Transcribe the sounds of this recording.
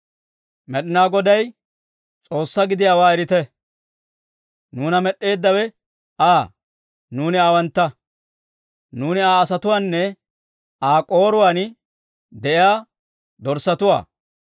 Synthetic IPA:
mɛɗɪnaːɡɔd̪ɐj | t͡sʼo̞ːsːɐɡɪd̪ɪjaːwaːɛɾɪt̪ɛ | nuːnɐmɛɗːe̞ːd̪ːɐwɛ | aː | nuːnɪaːwɐnt̪ːɐ | nuːnɪaːsɐt̪ʊwaːnːɛ | aːkʼo̞ːɾʊwaːn | d̪ɛʔɪjaː | d̪ɔɾsːɐt̪ʊwa̰ː

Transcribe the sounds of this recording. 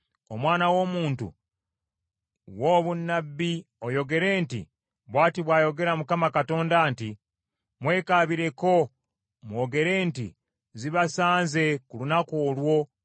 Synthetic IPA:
omwaːnawo̞ːmuːntṵ | woːβunːabːi | o̞jo̞ɡe̞ɾe̞ːntḭ | βwaːtiβwaːjo̞ɡe̞ɾamukamakato̞ːndaːnti | mwe̞ːkaβiɾe̞ko̞ | mwo̞ːɡe̞ɾe̞ːntḭ | ziβasaːnze̞kulunakoːlwo̞

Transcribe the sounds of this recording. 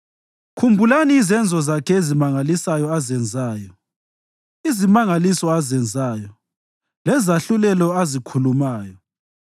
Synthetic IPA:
kʰumbʱulaniːzɛnd͡zʱɔzakʰɛezimaŋalisajɔazɛnd͡zʱaːjɔ | izimaŋalisɔazɛnd͡zʱaːjɔ | lɛzaɬulɛlɔazikʰulumaːjɔ

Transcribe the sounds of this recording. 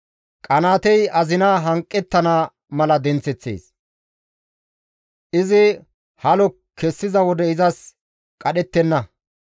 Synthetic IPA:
kʼɐnaːt̪ɛjɐzɪnaɦɐŋkʼːɛt̪ːɐnaː | mɐlɐd̪ɛnt͡sɛt͡sːḛːs | ʔɪzɪ | hɐlɔ | kʰːɛsːɪzɐwɔd̪ɛɪzɐs | kʼɐɗɛt̪ːɛnːɐ

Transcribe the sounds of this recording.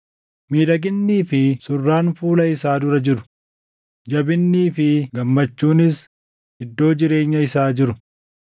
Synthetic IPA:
miːd̪ɐɡɪnːiːfɪsʊrːaːnfuːlɐɪsaːd̪ʊɾɐd͡ʒɪɾʊ̥ | d͡ʒɐbɪnːiːfɪɡɐmːɐt͡ʃːuːnɪs | hɪd̪ːo̞ːd͡ʒɪɾe̞ːɲːɐɪsaːd͡ʒɪɾʊ

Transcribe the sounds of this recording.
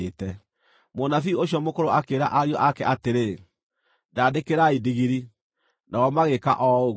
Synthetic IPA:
etɛ | monafiuoɕjɔmokoɾoakeɾaʔaɾjɔʔakɛʔateɾe | daːdekeɾaidiɣiɾi | naɣɔmaɣeka̰ʔɔoɣ

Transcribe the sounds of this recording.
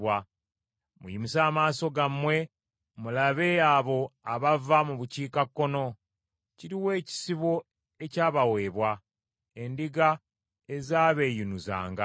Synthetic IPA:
wa | mṵjimisaːmaːso̞ɡamwe̞ | mulaβe̞aβo̞aβavamuβuciːkakːo̞no̞ | ciɾiwe̞ːci̥siβwo̞ | e̞caːβawe̞ːβwa | e̞ndiɡa | ezaːβe̞ːjunuza̰ːŋɡa̰

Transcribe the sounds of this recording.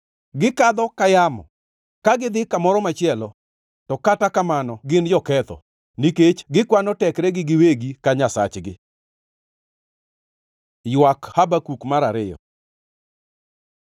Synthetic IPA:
ɡɪkad̪ɔkajamɔ̰ | kaɡɪd̪ɪkamɔɾɔmat͡ʃɪɛlɔ | tɔkatakamanɔɡɪnd͡ʒɔkɛt̪ɔ̰ | niket͡ʃɡɪkwanɔtɛkɾɛɡɪɡɪweɡikaɲasa̰t͡ʃɡɪ | jwakhabakukmaɾaɾɪjɔ̰

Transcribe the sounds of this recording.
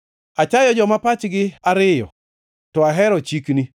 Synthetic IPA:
at͡ʃajɔd͡ʒɔmapat͡ʃɡɪaɾɪjɔ̰ | tɔaɦɛɾɔt͡ʃikni

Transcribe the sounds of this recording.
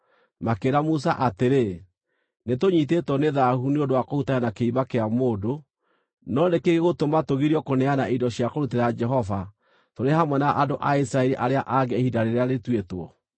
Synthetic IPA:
makeɾamus̬aʔateɾe | netoɲit̬etwɔneðahuneondowakohutajanakeiβakeamoːdo | nɔndekeɣeɣotomatoɣiɾiɔkonɛanaidɔɕiakoɾuteɾad͡ʒɛɦɔva | toɾehamwɛnaʔadoʔaisɾaɛɾiʔaɾeaʔaɡɛehidaɾeɾeaɾetwetwɔ

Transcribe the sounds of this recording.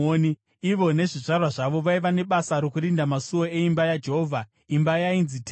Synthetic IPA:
oni | iʋo̞ne̞ʐiʐarwaʐaʋo̞ʋaiʋane̞ɓasaɾokuɾindamasuoe̞imbajad͡ʒeɦoːvʱa | imbajainzit

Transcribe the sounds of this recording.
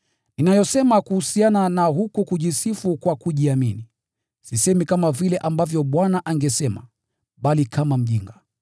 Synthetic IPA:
ninajɔsɛmakuhusiananaɦukukuʄisifukwakuʄiamini | sisɛmikamavilɛʔambavjɔɓwanaʔaŋɡɛsɛma̰ | ɓalikʰamam̩ʄiŋɡa

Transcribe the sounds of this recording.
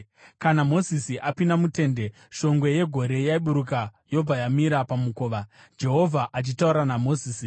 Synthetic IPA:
kanamo̞zisiʔapinamute̞nde̞ | ʃo̞ŋɡweje̞ɡʱo̞ɾe̞jaiɓuɾukajo̞b͡vajamiɾapamuko̞ːʋa | d͡ʒe̞ɦo̞vʱaʔat͡ʃitauɾanamo̞ziːsi

